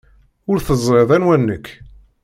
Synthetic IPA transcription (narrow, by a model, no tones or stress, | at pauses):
ʊɾθəzˤɾeðˤænwænːəkː